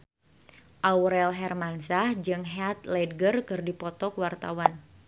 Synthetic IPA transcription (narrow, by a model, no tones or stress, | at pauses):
ʔawɾɛlɦɛrmansahd͡ʒɨŋɦat̪̚lɛd̚ɡərkɨrdipɔt̪ɔkəwart̪a̰wan